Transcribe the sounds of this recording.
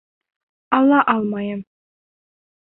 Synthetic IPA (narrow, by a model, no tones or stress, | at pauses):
ɑlˠːɑʔɑlˠmɑjɤm